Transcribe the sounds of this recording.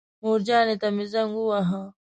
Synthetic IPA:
muːɾd͡ʑaːnet̪ɐmizɐŋɡuwaɦa

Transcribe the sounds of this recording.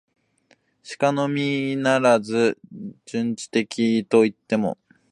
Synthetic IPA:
ɕi̥kano̞mʲinaɾazɨd͡ʑɨ̃ɲt͡ɕi̥t̪e̞kʲʰit̪o̞it̪ːe̞mo̞̰

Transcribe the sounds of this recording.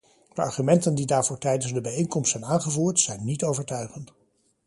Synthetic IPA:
d̥əɑ̰ɹχymɛntəndidaːɹvʊːɹtɛjdənzdəbɛjejnkɔmstsɛjnaːnχəvuːɹtsɛjnːitowvəɹtœɥχənt

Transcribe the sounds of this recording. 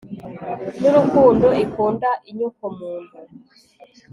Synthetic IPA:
nuɾukunduikundaʔiɲukɔmuːndu

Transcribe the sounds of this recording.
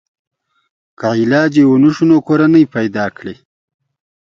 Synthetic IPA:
kailɑːd͡ʑewunuʃunokoɾanəjpajd̪ɑːkɽe

